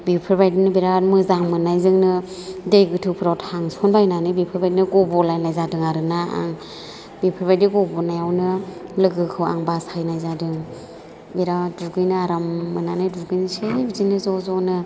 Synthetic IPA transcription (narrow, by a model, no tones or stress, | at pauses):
bipʰɯɾbajdinɯbiɾamɯzaŋmɯnajzɯŋnɯ | dejɡɯtʰɯpʰɾawtʰhaŋsɔnbajnanɯbipʰɯɾbajdinɯɡɔbɔlajnajzadɯŋaɾɯnaa̰ŋ | bipʰɯɾbajdiɡɔbɔnajawnɯlɯɡɯkʰɯwa̰ŋbasajnajzadɯŋ | biɾaduɡɯjnɯaɾamːɯnanɯjduɡɯjnsebizinɯzɔzɔnɯ